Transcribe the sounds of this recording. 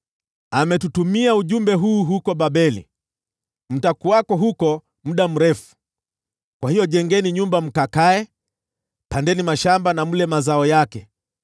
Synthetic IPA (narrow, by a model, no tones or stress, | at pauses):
amɛtutumiauʄumbɛɦuːɦukɔɓaɓɛlḭ | m̩takuwakɔɦukɔ | m̩ɗam̩ɾɛfu̥ | kwahijɔʄɛŋɡɛniɲumbam̩kakaɛ | pandɛnimaʃambanamulɛmazaɔjakɛ